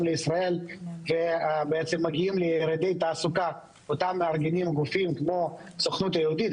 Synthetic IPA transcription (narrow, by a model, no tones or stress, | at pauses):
mleisʁae̞lvebeet͡semːaɡiimleɾed̪ejt̪aːsuka | ot̪amːeaʁɡenimɡufimkmo̞ | soχnut̪ajehud̪it̪